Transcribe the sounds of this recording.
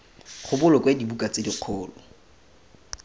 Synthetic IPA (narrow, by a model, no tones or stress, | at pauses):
χʊbʊlɔkwedibukʼat͡sediq͡χʰʊːlɔ